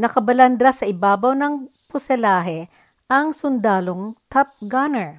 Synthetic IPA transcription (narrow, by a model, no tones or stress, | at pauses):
nɐkɐbɐlɐnd̪ɾasɐʔɪbaːbɐwnɐŋpʊsɛlaːɦɛ | ʔɐŋsʊnd̪aːloŋt̪ʰɐp̚ɡanɛɹ